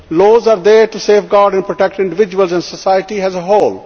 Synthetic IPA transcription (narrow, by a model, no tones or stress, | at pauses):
loːzaːɾd̪eːɾʈuseːfɡaːɾɖɛ̃npɾoʈɛk̚ʈɪ̃ɳɖɪʋɪd͡ʒuəlzɛ̃nɖsəsaɪəʈiɦɛzəɦoːl